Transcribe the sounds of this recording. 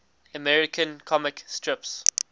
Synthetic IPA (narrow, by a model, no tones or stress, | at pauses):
əmɛɹɪkʰə̃nkʰɔmɪkstʰɹɪps